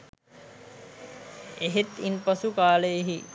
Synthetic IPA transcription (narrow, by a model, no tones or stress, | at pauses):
eɦet̪inpɐsukaːləjeɦi